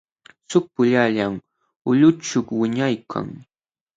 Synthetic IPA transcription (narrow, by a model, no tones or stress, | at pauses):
sʊk̚pʊʎaʎam | ʊʎʊt͡ʃʊkwɪɲajkʰa̰ŋ